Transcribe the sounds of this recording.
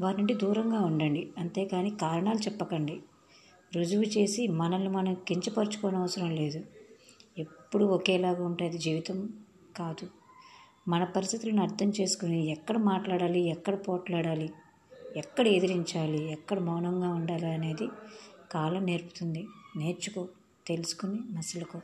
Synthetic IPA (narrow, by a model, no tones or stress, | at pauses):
ʋaːɾnuɳʈid̪uːɾɐŋɡaːuɳɖɐɳɖiɐnt̪e̞ːkaːniːkaːɾɐɳaːlut͡ʃɛpːɐkɐɳɖi | ɾud͡ʒuʋut͡ʃe̞ːsimɐnɐlumɐnɐmkiɲt͡ʃɐpɐɾt͡ʃu̥kɔːnɐʋɐsɐɾɐmle̞ːd̪u | e̞pːuɽuɔkɛːlaːɡaːuɳʈaːd̪id͡ʒiːʋit̪ɐm | kaːd̪u | mɐnɐpɐɾist̪it̪iluniɐɾt̪ʰɐmt͡ʃe̞ːsu̥kuniɛkːɐɽɐmaːʈlaːɽaːliɛkːɐɽɐpɔːʈlaːɽaːli | ɛkːɐɽɐe̞d̪iɾiɲt͡ʃaːliɛkːɐɽɐmɔːnɐŋɡaːuɳɖaːliɐne̞ːd̪ikaːlɐmne̞ːɾpu̥t̪und̪ine̞ːɾt͡ʃukoː | t̪e̞lusu̥kuninɐsɐlɐku